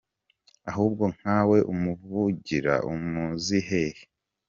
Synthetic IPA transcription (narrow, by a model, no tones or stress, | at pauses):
aɦuːb̚ɡo̞ŋ̥haːwe̞ʔumuvuɟiɾa̰umuːziɦe̞he